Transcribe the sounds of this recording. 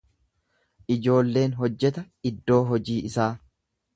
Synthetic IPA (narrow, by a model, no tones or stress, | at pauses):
ʔɪd͡ʒo̞ːlːe̞ːnɦɔd͡ʒːɛt̪ɐ | ɪd̪ːo̞ːɦɔd͡ʒiːɪsaː